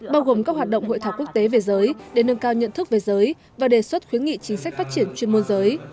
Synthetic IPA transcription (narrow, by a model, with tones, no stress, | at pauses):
ɓaː˧wɣo˨˩mkaː˦˥k̚ɦwaː˨˩t̚ɗə̰˧˨wŋ͡mɦo̰˧˨jt̪aː˧˩wku˦˥k̚t̪e˨˦ve˨˩zəː˨˦jɗe˧˩nə˧ŋkaː˧wɲə̰˧˨nt̪ʰɨ˦˥k̚ve˨˩zəː˨˦j | vaː˨˩ɗe˨˩swə˦˥t̚xwi˨˦ənŋḭ˧˨t͡ɕï˨˦ŋ̟sa˦˥k̟̚faː˦˥t̚t͡ɕi˧˩ənt͡ɕwi˧ənmo˧nzəː˨˦j